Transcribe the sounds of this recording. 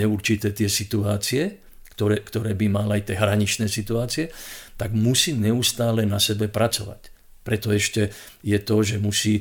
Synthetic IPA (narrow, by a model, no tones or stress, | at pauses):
ɛuɾt͡ʃit̪ɛːt̪ɪɛsit̪uaːt͡siɛ | kt̪ɔɾɛkt̪ɔɾɛːbimalajt̪ɪɛɦɾaɲit͡ʃnɛːsit̪uaːt͡siɛt̪aɡmusiːɲɛust̪aːlɛnasɛbɛpɾat͡sɔʋa̰c | pɾɛt̪ɔɛʃcɛ | jɛt̪ɔʒɛmusiː